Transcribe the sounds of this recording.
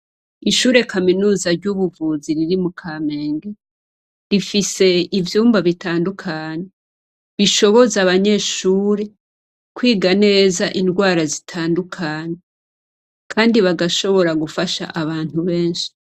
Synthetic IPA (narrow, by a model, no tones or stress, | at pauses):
iʃuːɾe̞kaminuːzaɾɟuβuvuziɾiɾimukʰame̞ːŋɡe | ɾifise̞ivjuːmbaβitaːndukʰaːɲe | βiʃo̞βo̞zaβaɲe̞ːʃuːɾe̞ | kwiːɡane̞ːzaʔinɡwaːɾazitʰaːndukʰaːɲe | kʰaːndiβaɡaʃo̞βo̞ɾaɡufaʃa̰ʔaβaːn̥uβe̞ːnʃi̥